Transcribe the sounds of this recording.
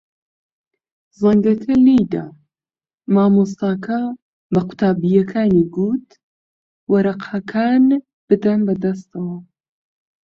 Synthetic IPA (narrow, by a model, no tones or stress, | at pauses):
zɐŋɡɐkʰɐliːd̪a̰ | maːmus̬t̪aːkʰɐ | bɐqʊ̥t̪ʰaːbijɐkʰaːniɡuːt̪ | wɐɾɐqʰakʰaːn | b̥ɨd̪ɐnbɐd̪ɐst̪ɐwɐ